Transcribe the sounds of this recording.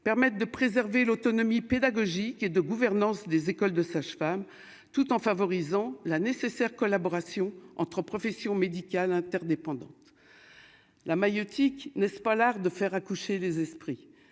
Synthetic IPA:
pɛʁmɛt̪̚d̪əpχezɛʁvelot̪ɔnɔmiped̪aɡɔʒiked̪əɡuvɛʁnɑ̃sd̪ezekɔld̪əsaʃfam | t̪ut̪ɑ̃favɔʁizɑ̃lanesesɛʁkɔlabɔʁasjɔ̃ʔɑ̰̃t̪χəpχɔfɛsjɔ̃med̪ikʲalɛ̃t̪ɛʁd̪epɑ̃d̪ɑ̰̃t̪ | lamajɔt̪ʰiknɛspalaʁd̪əfɛʁakuʃelezɛspχi

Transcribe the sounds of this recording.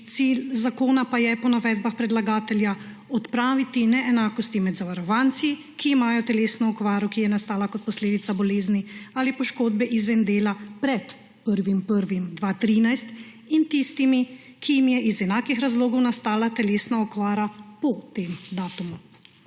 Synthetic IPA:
t̪siːlzakoːnapajɛpɔnaʋɛd̪baxpɾɛd̪laɡaːt̪ɛlja | ɔt̪pɾaːʋit̪inɛɛnaːkɔst̪imɛd̪zaʋaɾɔʋant̪si | kiːmaːjɔt̪ɛleːsnɔɔkʋaːɾɔkijɛnast̪aːlakɔt̪̚pɔsleːd̪it̪sabɔleːzniaːlipɔʃkoːd̪̚bɛʔizʋɛnd̪eːlapɾɛt̪ | pəɾʋimpəɾʋimd̪ʋat̪ɾiːnajst̪ | int̪ist̪imi | kʰijimjɛʔizɛnaːkixɾazloːɡɔwnast̪aːlat̪ɛleːsnaɔkʋaːɾapɔt̪emd̪aːt̪umu

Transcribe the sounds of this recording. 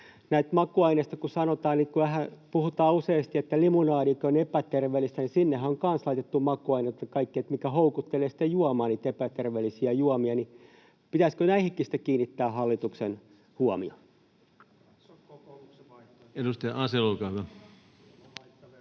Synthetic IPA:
næit̪mɑkuɑineˑist̪ɑkusɑnot̪ɑːnnikuæhæpuhut̪ɑːuseːst̪iet̪ːælimunɑːnikøonepæt̪erʋeːlːist̪ænisinːehæoŋkɑnslɑit̪et̪ːumɑkuɑinet̪jɑkɑikːiet̪mikæhoukut̪ːeleːsi̥t̪ːejuɑmɑːniːt̪epæt̪erʋeːlːisiæjuɔmiɑni | pit̪æskønæihikːisi̥t̪ːekiːnːit̪ːæːhɑlːit̪uksen | huɔmḭɑ | edust̪ɑjɑʔɑselokɑʋɑ

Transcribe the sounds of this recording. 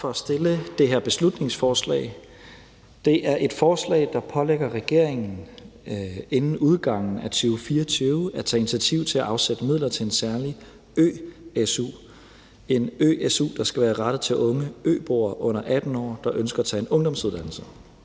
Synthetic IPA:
fɒæsd̥e̝ləd̥e̝ɦæɐb̥e̝slud̥ne̝ŋsfɒːslɛ̰ɪ | d̥e̝ʔæɐʔe̝d̥fɒːslɛ̰ːɪd̥ɑ̈pʰɒ̽leɡ̥ɐʁɛɡ̥e̝ɐ̰eŋn̩ | e̝nn̩uð̞ˠɡ̥ɑ̈ŋ̰n̩æt͡sʰyʊfiːɐt͡sʰyʊæt͡sʰɛ̰ːinit͡sʰiæt͡sʰiʊ̰t͡sʰe̝æʔɑ̈ʊsed̥əmiðˠlɐt͡sʰe̝ensæɐli | ø̰ːesṵ | e̝nø̰ːʔesṵːd̥ɑ̈sɡ̥æʋæːɐʁɑd̥ð̩ˠt͡sʰe̝lʔɔ̽ŋəø̰ːb̥o̝̰ɐʔɔ̽n̰ɐʔæd̥n̩ɒ̰ːd̥ɑ̈ʔønsɡ̥ɐæt͡sʰɛ̰e̝nɔ̽ŋd̥ɒ̽msuð̞ˠd̥æn̰l̩sə

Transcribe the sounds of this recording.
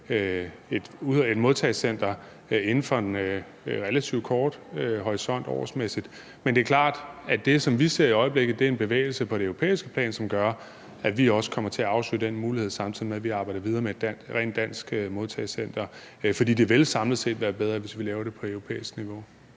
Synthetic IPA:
ø | e̝d̥uðe̝d̥moðˠt͡sʰɛɪsen̰d̥ɐ | e̝nn̩fɒ̽enø | ʁelæt͡sʰiʊ̥kʰɒːd̥hɒʁisɒ̽n̰d̥ɒ̰ːsmesid̥ | mend̥e̝ɐkʰlɑ̰̈ːd̥æd̥e̝sɒ̽mʋise̝ɐ̰iɒ̽ɪəb̥le̝ɡ̥ð̩ˠd̥e̝æɐe̝nb̥e̝ʋḛːɪl̩səpʰɒ̽d̥e̝øʊʁo̝pʰḛːisɡ̥ə̥pʰl̥ɛ̰ːnsɒ̽mɡ̥ɶɐ | æʋiɒ̽sə̥kʰɒ̽m̰ɐt͡sʰe̝æɑ̈ʊslø̰d̥enmuːlihe̝ð̞̰ˠsɑ̈mt͡sʰið̰ˠimeʋiɑ̈b̥ɑ̈ɪd̥ɐʋið̞ˠɐːmed̥æʁɛ̰ːn̥æn̰sɡ̥moðˠt͡sʰɛɪsen̰d̥ɐ | fɒd̥ḭːd̥eʋe̝lsɑ̈mlð̩ˠse̝̰ːd̥ʋæːɐb̥eð̞ˠʁɐʋe̝sʋilɛːʊɐɾ̥e̝pʰɒ̽œʊʁo̝pʰḛːisɡ̥niʋo̝

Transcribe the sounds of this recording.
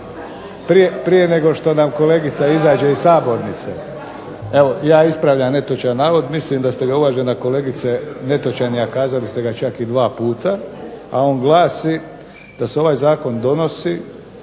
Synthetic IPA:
pɾijepɾije̞ne̞ɡo̞ʃt̪o̞namko̞le̞ɡit̪saizaːd͡ʒe̞issaːbo̞ɾnit̪se | e̞ʋo̞jaːispɾaʋʎamne̞t̪ot͡ʃanːaːʋo̞d̪mislimd̪ast̪e̞ɡaulaʒenako̞le̞ːɡit̪se̞ne̞t̪o̞t͡ʃanijakaːzalist̪e̞ɡat͡ʃakid̪ʋaːpuːt̪aao̞ːnɡlˠaːsi | d̪̥aseo̞ʋajzaːko̞nd̪o̞no̞si

